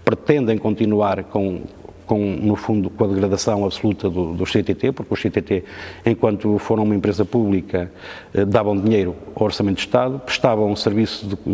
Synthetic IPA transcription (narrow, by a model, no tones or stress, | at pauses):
pɾɨt̪ẽnd̪ẽj̃kõnt̪inuaɾkõ | kõnufũnd̪ukõɐðɨɣɾɐðɐsɐ̃w̃ɐβsulˠut̪ɐðuðuʃset̪et̪epuɾkuʃset̪et̪eẽkwɐ̃nt̪ufoɾɐ̃w̃umɐẽmpɾezɐpuβlˠikɐ | ɛd̪aβɐ̃w̃d̪iɲejɾuawɔɾsɐmẽnt̪ːɨʃt̪aðupɾɨ̥ʃt̪avɐ̃ũsɨɾvisuð